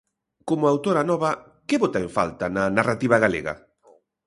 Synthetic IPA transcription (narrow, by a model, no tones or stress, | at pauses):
komʊawt̪oɾanɔβɐ | kɪβot̪aẽɱfa̰lt̪ananarat̪iβɐɣalḛɣɐ̰